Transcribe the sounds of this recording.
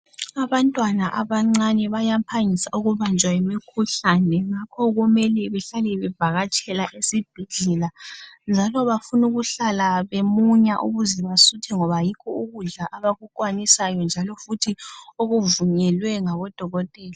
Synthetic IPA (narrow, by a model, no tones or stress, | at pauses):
aβantʼwanaʔaβaŋ͡ǀanɛβajampʰaŋisaʔuɣuβand͡ʒʱwaimikʰuɬanɛŋakʰɔɣumɛlɛβɛɬalɛβɛb̥ʱaɣat͡ʃʼɛlaʔesib̥ʱɛɮɛland͡ʒʱalɔβafunuɣuɬalaβemuɲaʔṵɣuzɛβasutʰɛŋɔβajikʰɔuɣuɮaʔaβaɣukʼwanisajɔnd͡ʒʱalɔfutʰioɣuvuɲɛlwɛŋaβɔd̥ʱɔɣɔtʼɛːla